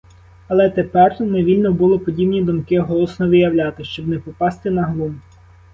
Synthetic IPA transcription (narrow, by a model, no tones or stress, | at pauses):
ɐlˠɛt̪epɛrneʋʲilʲnɔbʊlˠɔpɔdʲibnʲid̪ɔmkɪɦɔlˠɔsnɔʋɪjɐwlʲɑt̪ɪʃt͡ʃɔbnɛpɔpɑst̪ɪnɐɦlˠum